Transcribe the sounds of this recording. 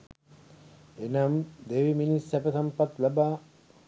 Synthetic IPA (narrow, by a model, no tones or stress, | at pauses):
enɐmd̪eʋiminisæpəsampat̪labaː